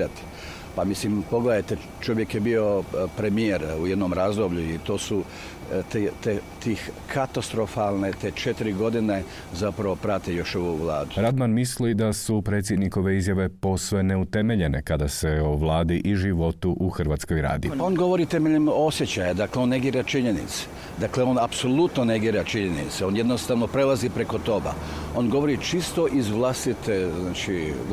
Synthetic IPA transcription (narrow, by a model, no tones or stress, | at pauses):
at̪i̥ | pamislimpo̞ɡled̪ajt̪e | t͡ʃo̞ʋje̞kjebio̞pɾemijeɾuje̞d̪nomɾaːzd̪obʎʲuit̪o̞ːsu | t̪et̪et̪ikʰat̪ast̪ɾo̞falˠnet̪et͡ʃet̪iɾiɡo̞d̪ine | zapɾaʋo̞pɾat̪ijo̞ʃoʋuʋlˠaːd̪uɾad̪manmislid̪asupɾe̞ːt̪s̬ʲjed̪niko̞ʋe̞izjaʋe̞po̞sʋene̞ut̪e̞me̞ʎe̞ne̞kad̪ase̞oʋlˠaːd̪iʔiʒiʋo̞t̪uʔuxrʋat̪skojɾa̰ːd̪ḭpaonɡo̞ʋo̞ɾit̪emeʎemosjet͡ɕajad̪akleo̞nːe̞ɡiːɾat͡ʃiɲenḭt̪se̥ | d̪akleo̞napso̞lˠut̪noneɡiːɾat͡ʃiɲenḭt̪seo̞nje̞d̪nost̪aʋnopɾelˠazipɾe̞ko̞t̪o̞ba̰o̞nɡo̞ʋo̞ɾit͡ʃist̪o̞ʔizʋlˠast̪it̪eznaːt͡ʃi